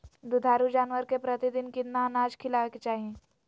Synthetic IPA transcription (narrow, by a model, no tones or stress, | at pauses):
d̪ud̪ʱaːɾud͡ʒaːnʋəɾkepɾət̪id̪ɪnkid̪nanaːd͡ʒkʰɪlaʋeket͡ʃaːɦiẽː